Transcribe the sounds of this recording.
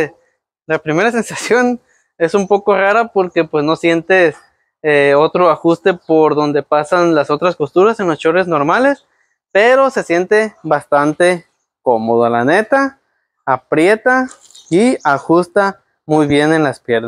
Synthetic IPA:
lapɾime̞ɾase̞nsasjo̞n | e̞sumpo̞ko̞raɾapo̞ɾke̞pwe̞sno̞sje̞nt̪e̞s | eo̞t̪ɾo̞axust̪e̞po̞ɾðo̞nd̪e̞pasanlaso̞t̪ɾaspo̞st̪uɾasenlost͡ʃo̞ɾezno̞ɾmale̞s | pe̞ɾo̞se̞sje̞nt̪e̞βast̪ant̪e̞ | ko̞mo̞ð̞oalane̞t̪aː | pɾje̞t̪a | iaxust̪a | mujβje̞ne̞nlaspje̞ɾna

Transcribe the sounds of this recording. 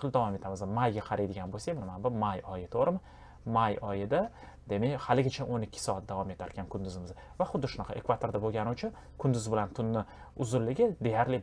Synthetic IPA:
ɨlˠd̪avɒme̞t̪ʰamɪzɪmajɡʲaqʰɑɾajd̪ɪɡʲanbolsamɪnmanbʊmajɒjɪt̪ʰoɾɪmɪ | majɒjɪd̪a | d̪̥e̞mehalɪɡʲɪt͡ʃʰaʔonɪkʲːɪ̥sɒat̪̚d̪avɒme̞t̪ʰaɾkʰʲankʰʊnd̪ʊzɪmɪz | vaχʊd̪ːɪʃʊnɑqʰɑʔekvat̪ʰoɾd̪aboɡʲanɪʊt͡ʃʰʊn | kʰʊnd̪ʊzbɪlant̪ʰʊnːɪ | ʊzʊlːɪɡʲɪd̪e̞jaɾlɪ

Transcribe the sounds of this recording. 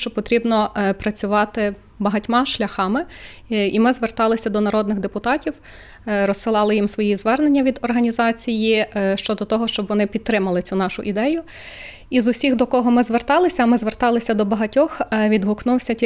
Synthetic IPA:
t͡ʃɔpɔt̪ɾʲibnɔpɾɐt͡sʲʊʋɑt̪ɪ | bɐɦɐtʲmɑʃlʲɐxɑmɪ | imɪzʋert̪ɑlˠɪsʲɐd̪ɔnɐɾɔd̪nɪɣd̪epʊt̪ɑtʲiw | ɾɔsɪlˠɑlˠɪjimsʋɔjijzʋɛrnenʲːɐʋʲid̪ɔrɦɐnʲizɑt͡sʲijiʃt͡ʃɔd̪ɔt̪ɔɦɔʃt͡ʃɔbʋɔnɪpʲid̪̚ɾɪmɐlˠɪt͡sʲunɑʃʊ̰ʔid̪ɛjʊ | izʊsʲixd̪ɔkɔɦɔmɪzʋert̪ɑlˠɪsʲɐːmɪzʋert̪ɑlˠɪsʲɐd̪ɔbɐɦɐtʲɔxʋʲid̪ɦʊknuwsʲɐtʲi

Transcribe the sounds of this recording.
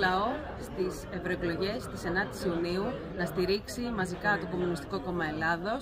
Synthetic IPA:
lɐo̞ | st̪ise̞vɾo̞eklo̞ʝe̞st̪ise̞nɐt̪i̥siuniu | nɐst̪iɾiksimɐzikɐt̪o̞ko̞munist̪i̥ko̞ko̞mɐe̞lɐðo̞s

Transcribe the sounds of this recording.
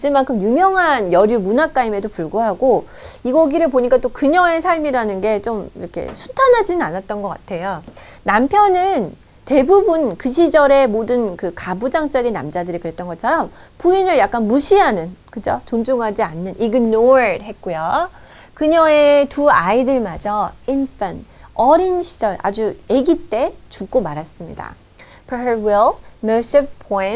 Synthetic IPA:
d͡ʑɯmankʰɯmjumjʌŋɦanjʌɾjumunak͈aime̞dopuɭɡuɦaɡo | iɡʌɡiɾɯɭpoɲik͈at͈okɯɲʌŋe̞sʰaɭmiɾanɯnɡe̞t͡ɕ͈omḭɾʌkʰe̞̰sʰu̥tʰanɦad͡ʑinɯnanat̚t͈ʌnɡʌk͈atʰe̞jo | nampʰjʌnɯn | te̞bubunkɯɕ̬ʰid͡ʑʌɾe̞modɯnkɯkabud͡ʑaŋt͡ɕ͈ʌɡinːa̰md͡ʑadɯɾikɯɾe̞t͈ʌnɡʌt͡ɕʰʌɾʌmpuinɯɭjak͈anmuɕʰiɦanɯnkɯd͡ʑot͡ɕond͡ʑuŋɦad͡ʑianːɯnʔiɡɯnːoeɭhe̞t̚k͈ujo | kɯɲʌŋe̞tuaidɯɭmad͡ʑʌinp͈anʌɾinɕʰi̥d͡ʑʌɭa̰d͡ʑueɡit͈e̞t͡ɕuk̚k͈omaɾas͈ɯmɲḭda̰ | pʰewilmʌsibpʰoin

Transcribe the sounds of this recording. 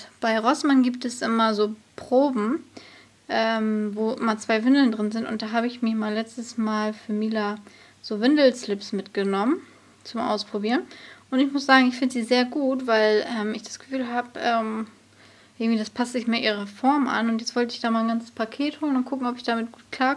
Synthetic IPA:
b̥aɪʁɔsmanɡiːptɛsʔɪmɐzoːpʁ̥oːbm̩ | ʔɛːmvoːʔɪmɐt͡sv̥aɪvɪndl̩ndʁɪnzɪntʊ̰nt̚d̥aːɦaːbəɪçmɪmaːlɛt͡stəsmaːlfyːɐmiːla | z̥oːvɪndl̩slɪpsmɪtɡ̥ənɔmən | t͡sʊmʔa̰ʊspʁ̥obiːʁənʔʊntɪçmʊsz̥aːɡŋ̩ɪçfɪndəz̥iːzeːɐɡuːtv̥aɪlʔɛːmɪçd̥ḁsɡ̥ə̥fyːlɦaːbʔɛːm | ʔɪɐɡŋ̩tv̥iːdaspʰastz̥ɪçmaːʔiːʁ̞ɐfɔɐmʔa̰nʊntjɛt͡stv̥ɔltəɪçd̥aːmaːlnɡant͡sə̥spʰakʰeːthoːlənʊntkʰʊkŋ̩ɔpɪçd̥aːmɪt̚ɡ̥uːt̚kʰl̥aː

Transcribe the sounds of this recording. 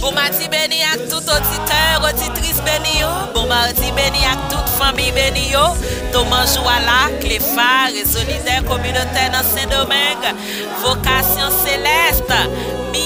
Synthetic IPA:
bõmad͡zibenĩak̚t̪ut̪od͡zit̪œʁod͡zit̪ʁisbenĩjo | bɔ̃mad͡zibenĩak̚t̪ut̪fãmijbenĩjot̪omãʒualaklefaʁezolid̪ɛkomynot̪ɛnɐ̃sɛ̃d̪omɛ̃ɡ | vokasjɔ̃selɛst̪ | mi

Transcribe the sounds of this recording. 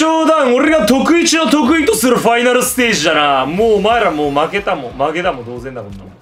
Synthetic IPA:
oːd̪ãŋ̃o̞ɾe̞ɡat̪o̞kɯ̟it͡ɕino̞t̪o̞k̬ɯ̟it̪o̞sɨɾɯ̟ɸainaɾɯ̟sɨ̥t̪e̞ːʑidanamoːmaeɾamoːmake̞t̪amo̞make̞t̪amo̞d̪o̞ːzẽ̞nd̪akona

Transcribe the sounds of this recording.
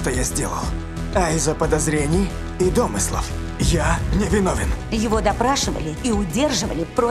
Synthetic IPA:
ʂt̪ojazʲdʲelˠə̰lˠ | ɐɪzːəpəd̪ɐzɾʲenʲɪj | ɪd̪omɨslˠə̰f | janʲɪvʲɪnovʲɪnjɪvod̪ɐpɾaʂɨvə̰lʲɪiʊdʲerʐɨvə̰lʲɪpɾo

